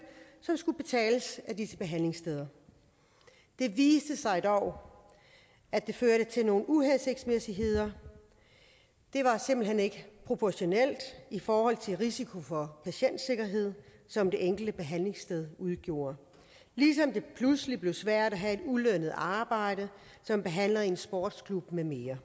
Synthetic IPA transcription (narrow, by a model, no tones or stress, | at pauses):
sɒ̽msɡ̥ub̥e̝t͡sʰɛ̰ːləsædisəb̥e̝ɦæn̰le̝ŋsd̥eð̞ˠɐ | d̥e̝ʋiːsd̥əsɑ̈ɪd̥ɒʊ̰ | æd̥e̝føɐɾət͡sʰe̝lno̝ːn̩uɦense̝ɡ̥̚d̥smesiɦe̝ð̞̰ˠɐ | d̥e̝ʋɑ̈se̝mb̥l̩ɦene̝ɡ̥əpʰʁo̝pʰɒɕo̝nel̰d̥ifɒːhɒ̽l̰t͡sʰe̝ʁisikʰo̝fɒ̽pʰæɕen̰d̥se̝ɡ̥ɐɦe̝ð̞̰ˠsɒ̽md̥e̝ʔeŋ̰ɡ̥l̩d̥əb̥e̝ɦæn̰le̝ŋsd̥eð̞ˠuðˠɡ̥jo̝̰ːɐ | lisɒ̽md̥e̝pʰlusəlib̥le̝ʊsʋæɐ̰d̥æɦæe̝d̥ulønəð̩ˠɑ̈ːb̥ɑ̈ɪ̰ɾ̥ə | sɒ̽mb̥e̝ɦæn̰lɐe̝nsb̥ɒːd̥skʰlub̥meme̝ːɐ